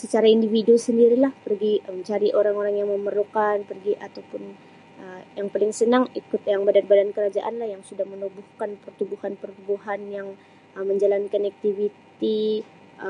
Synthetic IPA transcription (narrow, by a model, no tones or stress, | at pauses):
sət͡ʃaɾaindividusəndiɾilahpərɡiməɲt͡ʃaɾiʔoɾaŋoɾaŋjaŋməmərlukanpərɡiʔat̪awpʊn | əjaŋpalɪŋsənaŋikʊt̪jaŋbadan̚badankəɾad͡ʒaʔanlahjaŋsudahmənubuhkanpərt̪ubuhanpərt̪ubuɦanjaŋ | əməɲd͡ʒalankanak̚t̪ivit̪i